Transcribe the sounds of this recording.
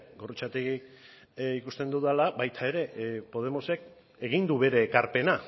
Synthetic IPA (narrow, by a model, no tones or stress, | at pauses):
ɡo̞rut͡ʃat̪eɣik | ikust̪e̞nd̪uðalaβajt̪ʰae̞ɾe̞po̞ð̞e̞mo̞se̞k | e̞ɣ̞ind̪uβe̞ɾe̞ːkaɾpe̞na